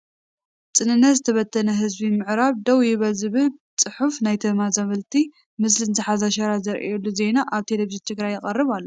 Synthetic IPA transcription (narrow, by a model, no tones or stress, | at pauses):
t͡sʼɨnɨnːɐt̪zɨt̪ʰɐβɐt̪ʰːɐnɐɦɨzbimɨʕɾaβd̪ɐwjɪβɐzɨβɨt͡sʼɨħufnajt̪ʰɐmazɐβɐlt̪ʰi | mɨs̬lɨnzɨħazaʃɐɾazɐɾʔɛlːuze̞naʔaβt̪ʰelefiʒint̪ʰɨɡɾajːɪqʼɐrːɨβalːo